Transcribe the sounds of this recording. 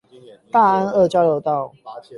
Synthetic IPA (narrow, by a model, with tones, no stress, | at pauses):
t̪a˥˨a˦˥nə˥˨t͡ɕja˦ʊjo˨˧˦ʊt̪ɑ˥˨ʊ